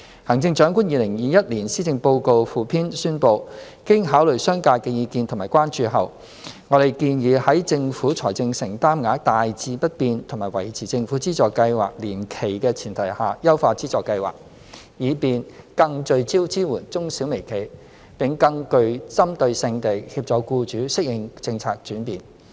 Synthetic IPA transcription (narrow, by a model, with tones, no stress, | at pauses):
hɐ˨˩ŋt͡sɪ˧ŋt͡ʃœː˨˥ŋkuː˥njiː˨˧lɪ˨˩ŋjiː˨˧jɐ˥t̚liː˨˩nsiː˥t͡sɪ˧ŋpo˧wko˧wfuː˨pʰiː˥nsyː˥npo˧w | kɪ˥ŋɦaː˨˥wlɵ˨ɥsœː˥ŋkaː˧t̚kɛː˧jiː˨˧kiː˧nt̪ʰʊ˨˩ŋmaː˨˩jkʷwaː˥nt͡ʃyː˧ɦɐ˨˩w | ŋɔ˨˧ɾe˨jkiː˧njiː˨˧hɐ˨˥jt͡sɪ˧ŋfuː˨˥t͡sʰɔː˨˩jt͡sɪ˧ŋsɪ˨˩ŋt̪aː˥mŋaː˨˥t̪aː˨jt͡siː˧pɐ˥t̚piː˧nt̪ʰʊ˨˩ŋmaː˨˩jwɐ˨˩jt͡sʰiː˨t͡sɪ˧ŋfu˨˥t͡siː˥t͡sɔː˨˩kːɐ˧jwa̰ː˨k̚liː˨˩mkʰe˨˩jkɛː˧t͡sʰiː˨˩nt̪ʰɐ˨˩jhaː˨˩jɐ˥wfaː˧t͡siː˥t͡sɔː˨kːɐ˧jwa̰ː˨˩k̚ | jiː˨˧piː˨˧nkɐ˧ŋt͡ʃɵ˧ɥt͡siː˥wt͡siː˥muː˨˩nt͡sʊ˥ŋsiː˨˥wme˨˩jkʰe˨˩j | pɪ˨ŋkɐ˧ŋkɵ˧ɥt͡sɐ˥mt̪ɵ˧ɥsɪ˧ŋt̪e˨jhiː˧p̚t͡sɔː˨˥kuː˧t͡ʃyː˨˥sɪ˥k̚jɪ˨˩ŋt͡sɪ˧ŋt͡sʰaː˧k̚t͡ʃyː˨˥npiː˨n